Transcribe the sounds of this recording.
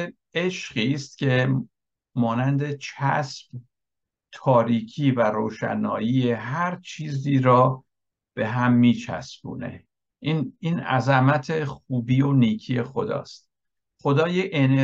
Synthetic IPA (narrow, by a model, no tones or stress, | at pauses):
eʃɢiːst̪̚cʲʰe̞ | mɒːnænd̪e̞t͡ʃʰæ̰sb̥ | t̪ʰɒːɾiːkʰiːvæɾoːʃæ̰nɒːjiːeɦæɾt͡ʃʰiːziːɾɒː | b̥e̞ɦæmːiːt͡ʃʰæ̰sbṵːne̞̰ | ʔiːniːnæ̰zæmæt̪ʰe̞xuːbiːo̞niːcʰiːje̞xo̞d̪ɒ̰ːst̪̚ | χo̞d̪ɒːjeʔene